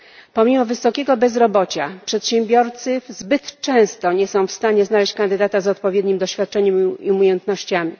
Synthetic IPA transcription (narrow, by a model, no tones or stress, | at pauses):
pɔmʲimɔvɘsɔkʲɛɡɔbɛzɾɔbɔt͡ɕapʂɛt̪ɕɛmbʲjɔɾt̪sɘzbɘt̪t͡ʂɛ̃w̃st̪ɔɲɛsɔ̃w̃fst̪aɲɛznalɛɕt͡ɕkand̪ɘd̪at̪azɔt̪̚pɔvʲjɛd̪ɲimd̪ɔɕfʲjat̪̚t͡ʂɛɲɛmiumʲjɛnt̪nɔɕt͡ɕamʲi